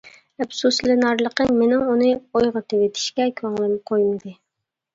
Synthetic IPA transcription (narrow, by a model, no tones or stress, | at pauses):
ɛpsuslɪnɑɾlˠəqəmenɪŋunɨojʁɑt̪ʰewet̪ʰɪ̥ʃkʲɛkʲʰɑŋlˠɨnqʰojmɨd̪ɨ